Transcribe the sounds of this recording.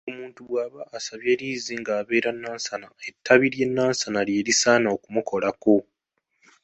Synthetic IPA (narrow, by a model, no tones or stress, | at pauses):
omuːntuβwaːβaʔːsaβje̞ːliːziŋɡaːβe̞ːɾanːaːnsanae̞tʰːaβiɾje̞nːaːnsanalje̞ːɾisaːnaokumukʰo̞lako̞